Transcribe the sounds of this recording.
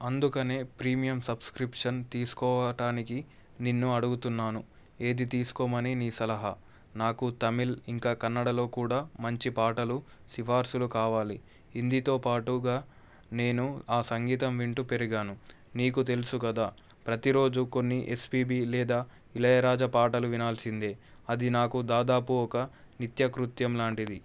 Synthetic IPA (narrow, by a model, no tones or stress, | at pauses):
ɐnd̪ukɐneːpɾiːmijɐmsɐbskɾipʂɐnt̪iːsu̥kɔːʋɐʈaːniki | ninːuɐɽuɡut̪unːaːnu | e̞ːd̪it̪iːsu̥kɔːmɐniniːsɐlɐɦɐ | naːkut̪ɐmiliŋkaːkɐnːɐɽɐlo̞ːkuːɽaːmɐɲt͡ʃipaːʈɐlu | siʋaːɾsulukaːʋaːliː | nd̪it̪o̞ːpaːʈuɡaː | ne̞ːnuaːsɐŋɡiːt̪ɐmʋiɳʈupe̞ɾiɡaːnu | niːk̬ut̪e̞lusukɐd̪aː | pɾɐt̪iɾo̞ːd͡ʒuko̞nːiʔespiːbiːlɛːd̪aː | ilɐjɐɾaːd͡ʒɐpaːʈɐluʋinaːlsind̪e̞ː | ɐd̪inaːkud̪aːd̪aːpuɔkɐ | nit̪jɐkɾut̪jɐmlaːɳʈid̪i